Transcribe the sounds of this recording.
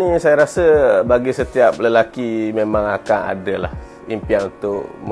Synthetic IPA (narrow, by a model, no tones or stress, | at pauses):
isajaɾasəbaɡisət̪iap̚ləlakimemãŋakana̰dəla̰h | impianunt̪ʊʔm